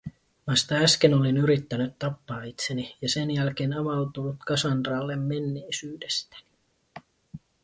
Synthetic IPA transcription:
ʋɑst̪ɑæsk̟e̞no̞linyɾit̪ːænyt̪ːɑpːɑːit̪senijɑse̞njælk̟e̞ːnɑʋɑlt̪ulːut̪kɑsɑnd̪rɑːlːemːe̞nːe̞ːsyːdest̪æ̥ni̥

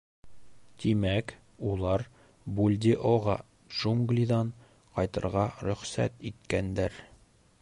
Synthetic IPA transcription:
t̪imæk | ulˠɑɾ | bulʲd̪ʲiʔoʁɑ | ʒuŋɡlʲid̪ɑɴ | qɒjt̪ɤ̆ɾʁɑɾɵ̆χsæ̰t̪it̪kænd̪æɾ

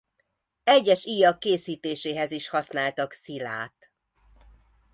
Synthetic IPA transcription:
ɛɟːɛʃiːjɒkːeːsiːt̪eːʃeːɦɛziʃhɒsnaːlt̪ɒksila̰ːt̪

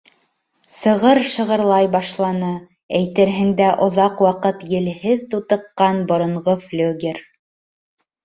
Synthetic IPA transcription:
sɤ̆ʁɤɾʃɤ̆ʁɤ̆ɾlˠɑjbɑʃlˠɑnɤ | æjt̪ɘ̆ɾɦɘ̆nd̪æʔŏðɑqwɑqɤt̪jɘ̆lhɘðt̪ut̪ɤ̆qːɑnbŏɾŏɴʁoflʲuɡʲeɾ

